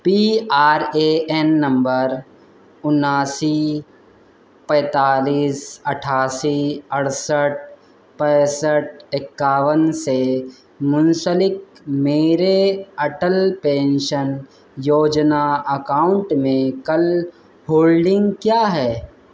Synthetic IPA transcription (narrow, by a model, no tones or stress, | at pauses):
piːaːɾeʔɛnːɐ̃mbəɾ | ʊnaːsi | pɛ̃ːt̪aːliːsɐʈʰaːsiɐɽsəʈ̚ʰ | pɛ̃ːsəʈ̚ʰɪkːaːʋənse | mʊnsəlɪk̚meːɾeɐʈəlpẽːnʃən | joːd͡ʒnaɐkaːʊ̃ɳʈmẽkɐl | hoːlɖɪ̃ŋɡkjaːɦɛː